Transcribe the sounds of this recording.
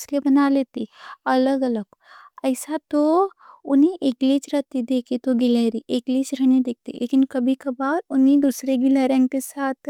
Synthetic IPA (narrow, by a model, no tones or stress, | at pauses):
ɪslebɐnaleːt̪iɐləɡɐləɡ | ɐɪsat̪o | ʊniʔekliːt͡ʃɾɐt̪id̪eːkʰit̪oɡɪleːɾiʔekliːt͡ʃɾɐnid̪eːk̚ʰt̪ḭlʔḛːkɪnkɐbʱikɐbaːɾʊnɦĩd̪usɾeɡilɛɾẽkesaːt̪ʰ